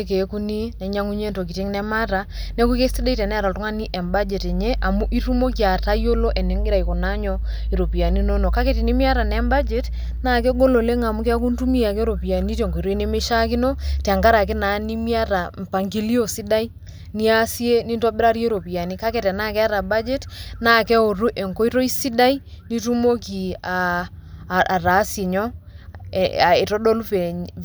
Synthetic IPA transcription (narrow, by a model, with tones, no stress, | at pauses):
e˦ke˨˦ku˦ni˦nɛ˨ɲa˦ŋu˦ɲe˦nto˨k̬i˨te˦ŋnɛ˦ma˦ta˨ | ne˦ku˦ke˦sti˦da˦i˦tɛ˨nɛ˦˨ɾa˨ltu˦ŋa˦ni˦ʔɛ˨mba˦d͡ʒe˨te˨ɲe˦ʔa˨mu˦ʔi˦tu˦mo˦kja˨ta˦jo˦lo˦ʔe˨ne˨˦ŋɡɪ˦ɾa˨i˨ko˨na˦ɲɔ˦ | e˨ɾo˨pi˨a˨ni˦no˦nɔ˨ka˦ke˨ti˨ni˦mi˦a˦ta˨nɛ˨˦mba˦d͡ʒe˨˦t | naː˦˨k̬e˦ɡo˦lo˨le˦ŋa˨mu˦ke˦a˦k̬u˦n˦tu˦mi˦a˨ke˦ɾo˨pi˨a˨ni˦te˨ŋɡo˨i˨ɾo˦ne˦me˦ʃa˦ki˦no˦ta˨ŋɡa˦ɾa˨k̬ɪ˦na˨˦ni˦mi˦a˦ɾa˨m˨pa˨ŋɡi˦li˦o˨si˦da˦i˦ | ni˦a˦si˦e˦ni˦nto˦bɪ˦ɾa˦ɾje˦ɾo˨pi˨a˨ni˦ka˦kɛ˨tɛ˨na˦kɛ˦a˦ɾa˨ba˦d͡ʒe˦tna˦˨kɛ˦o˨ɾu˦ʔe˨ŋko˦i˦ɾo˦i˦si˦da˦i˦ni˦tu˦mo˦ki˨a˨ | a˨ɾa˨˦se˨ɲɔ˦ | a˨e˨tɔ˦do˦lu˦pɛ˨